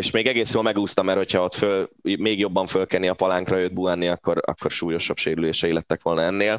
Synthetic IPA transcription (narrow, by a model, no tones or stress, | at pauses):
eʃmeːɡɛɡeːsjoːlmɛɡuːst̪ɒmɛrho̞chɒo̞t̪følmeːɡjo̞bːɒɱfølkɛniɒpɒlaŋkrɒjød̪̚buaːnːiɒkːo̞ɾɒ̰kːo̞rʃuːjo̞ʃɒbʃeːɾyleːʃɛilɛt̪ːɛkʋo̞lnɒɛnːeːl